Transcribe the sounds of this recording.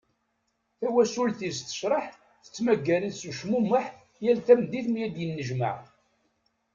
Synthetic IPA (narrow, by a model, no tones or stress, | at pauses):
θæwæsulθist̪ə̥ʃɾˤəħ | θə̥t͡sːmæɡːæləsuʃmuməħ | jælθæmd̪iθmjæd̪jənːəʒmə̰ʕ